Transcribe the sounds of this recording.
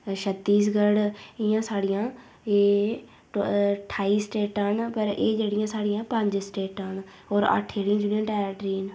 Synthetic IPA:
ʃʰət̪ːiːsɡəɽɪjãːsaːɽɪjãː | eː | ʈʰaːiːsʈeːʈənpəɾeːd͡ʒeːɽɪjãːsaːɽɪjãːpəɲd͡ʒsʈeːʈən | ɦɔːɾə̰ʈʰːeːɽɪjãːd͡ʒʊnɪjãːʈɛːʈɾiːn

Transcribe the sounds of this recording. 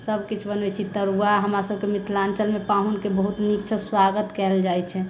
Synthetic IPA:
səbʱkit͡ʃʰbənɛt͡ʃʰit̪əɾuaɦəmɾasəb̚ʱkemɪt̪ʰlant͡ʃəlmepaɦunkebəɦut̪nikt͡ʃʰəswaɡət̪kɛld͡ʒajt͡ʃʰɛ

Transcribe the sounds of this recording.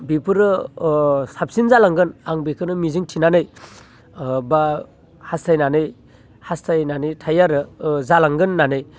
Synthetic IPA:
bipʰɯɾɯ | sap̚sinzalaŋɡɯnaŋbikʰɯnɯmiziŋtʰinanɯj | ba | hastʰajnanɯj | hastʰajnanɯjtʰajaɾɯzalaŋɡɯnːanɯj

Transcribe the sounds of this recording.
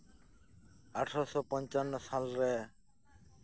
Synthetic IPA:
aʈʰɾɔsɔpɔnt͡ʃanːɔsalɾɛ

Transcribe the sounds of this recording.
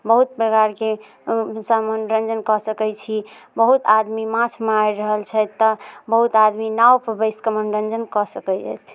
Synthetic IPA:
bəɦut̪̚pəɡaɾke | samənɾənd͡ʒənkɔsəkɛjt͡ʃʰi | bəɦut̪ad̪mimãt͡ʃʰmeajɾəɦəlt͡ʃʰət̪ːəbəɦut̪ad̪minawpəɾbəɪskəmənɾənd͡ʒənkɔsəkɛd͡ʒa̰t͡ʃ̪ʰ

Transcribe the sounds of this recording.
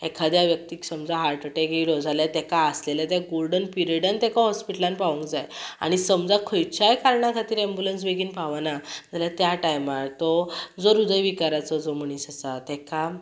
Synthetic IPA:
ekʰad̪jaʋjəkt̪iːksəmd͡zaɦaɾʈəʈeɡelɔd͡zʱaljat̪ɛkaːsleljat̪jaɡolɖənpiɾəɽənt̪ɛkaɦɔspiʈəlanpaʋũŋkd͡zaja̰ɽ̃isəmd͡zakʰəjt͡ɕajkaɾɳakʰat̪iːɾɛ̃mbulənsʋeɡiːnpaʋanad͡zaljat̪jaʈajmaɾt̪ɔd͡zɔɾud̪əjʋikaɾat͡sɔd͡zɔm̤əɽ̃iːsasat̪ɛka

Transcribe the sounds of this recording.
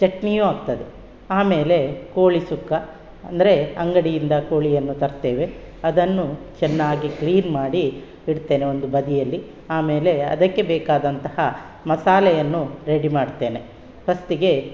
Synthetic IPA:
t͡ʃɐʈnijuːaːɡt̪ɐd̪e | aːme̞ːle̞koːɭisukːɐ | ɐ̰nd̪ɐɾe̞ɐŋɡɐɽijind̪ɐko̞ːɭijɐnːut̪ɐɾt̪eːʋe̞ | ɐd̪ɐnːut͡ʃɛnːaːɡikliːnmaːɽi | biɽt̪eːneo̞nd̪ubɐd̪ijɐlːi | aːme̞ːle̞ɐ̰d̪ɐkːe̞bɛːkaːd̪ɐnt̪ɐhɐ | mɐsaːlɐjɐnːuɾe̞ɽimaːɖt̪e̞ːne̞ | pɐst̪iɡe̞

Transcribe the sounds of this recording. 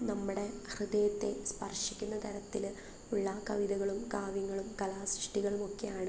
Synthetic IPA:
nɐmːuɽe̞hrɨðɐjɐt̪ːe̞spɐrʂikʲːunːɐt̪ʰɐɾɐt̪ːil | uɭːɐkɐʋiðɐɣɐɭumkaːʋjɐŋːɐɭumkɐlaːsrɨʂʈiɣɐɭumo̞kːejaːɳɨ

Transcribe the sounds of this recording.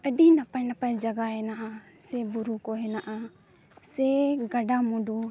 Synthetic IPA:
əɖinapajnapajd͡ʒaɡaɦɛnaʔasɛbuɾukɔɦɛnaʔa | sɛɡaɖamuɖu

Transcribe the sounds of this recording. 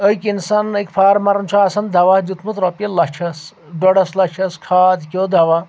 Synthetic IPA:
əjkinsanəjkpʰaːɾmaɾɐnt͡ʃʰuasɐnd̪ʱɐʋad͡ʒut̪mut̪ɾɔpjɐlɐʃʰɐs | ɖɔɽɐslɐkt͡ʃʰɐskʰad̪kʲod̪ʱɐʋa

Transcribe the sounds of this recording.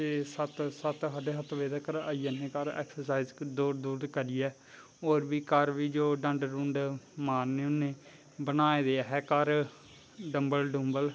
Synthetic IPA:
t̪eːsət̪sət̪ɦəɖeːɦət̪ʋeːd̪ːkəɾa̰ːiːəːnẽːkəɾɛ̰ːksəɾsaːizd̪uːɾd̪uːɾkəɾiːɛː | oːɾʋiːkəɾʋiːd͡ʒoːɖə̃ɳɖɾũːɳɖmaːɾneːʊnẽː | bənaːeːd̪eːaːɦɛːkəɾ | ɖəmbəlɖũmbəl

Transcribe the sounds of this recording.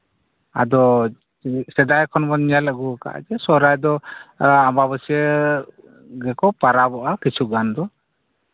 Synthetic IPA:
a̰d̪ɔ | sɛd̪ajkʰɔnbɔnjalaɡuka̰ʔd͡ʒɛsɔɾajd̪ɔ | amaβəsiɛ | ɡɛkɔpaɾabɔʔakit͡ʃʰuɡand̪ɔ

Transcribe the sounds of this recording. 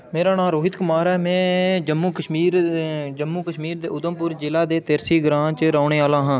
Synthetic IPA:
meːɾaːnãːɾoːɦɪt̪kʊmaːɾɛːmɛ̃ːd͡ʒəmːuːkəʃmiːɾd͡ʒəmːuːkəʃmiːɾd̪ḛːʊd̪əmpʊɾd͡ʒɪlaːd̪eːt̪ɪɾsiːɡɾãːt͡ʃɾaːɳeːaːlãːɦãː

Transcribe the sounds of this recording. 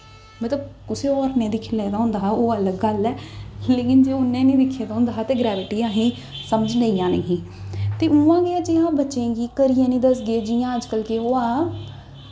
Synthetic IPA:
mət̪ləb̚kʊseːɔːɾnẽːd̪ɪkʰːlɛːd̪aːɦʊ̃nd̪aːɦoːələɡːəlːɛːleːkɪnd͡ʒeːʊnːẽːnĩːd̪ɪkʰːjaːd̪aːɦʊ̃nd̪aːɦt̪eːɡɾɛːʋɪʈiːãːɦĩː | səməd͡ʒləiːjãːnə̰ɦĩː | t̪eːʔuːãːɡeːad͡ʒeãːbətːʃẽːɡiːkəɾijãːnĩːd̪əsɡeːd͡ʒiːjãːəd͡ʒkəlkeːɦoːaː

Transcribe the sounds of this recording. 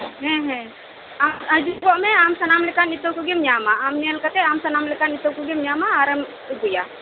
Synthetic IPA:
ɦɛ̃ɦɛ̃ | aɐd͡ʒuɡɔʔmɛamsɐnamlɛkanit̪owkuɡimɲaːmaamniɐlkɐt̪ɛamsɐnamlɛkanit̪owkuɡimɲaːmaːɾɐm | ɡuja

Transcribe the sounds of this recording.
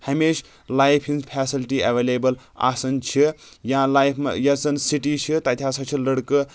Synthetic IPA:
hɐmeːʃ | lajpʰinzpʰɛsilʈiɐʋelebɐl | a̰sɐnt͡ʃʰi | jãlajpʰm̰jɐt͡sɐnsiʈit͡ʃʰit̪ɐt̪ʰaːsɐt͡ʃʰilɐɽkɨ

